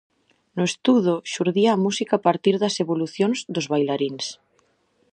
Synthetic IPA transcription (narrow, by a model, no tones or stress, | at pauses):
nʊest̪uðoʃuɾðiaːmusikaːpaɾt̪iɾðɐseβoluθjonzðozβajlaɾins